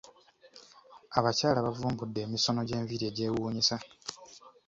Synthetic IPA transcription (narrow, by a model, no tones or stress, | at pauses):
aβacaːlaβavuːmbudːe̞ːmiso̞no̞ɟe̞ːɱviɾie̞ɟe̞ːwuːɲisa